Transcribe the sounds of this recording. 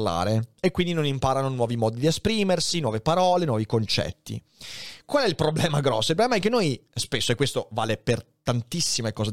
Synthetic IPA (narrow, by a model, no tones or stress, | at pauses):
la̰ːɾeekːwind̪inonimpaːɾanonwɔːvimɔːd̪id̪iespɾiːmersinwɔːvepaɾɔːlenwɔvikont͡ʃɛ̰t̪ːḭ | kwalɛilpɾoblɛːmaɡɾɔsːoilpɾblɛmaɛkːenːojspesːoekːwest̪ova̰leper | t̪ant̪isːimekɔːza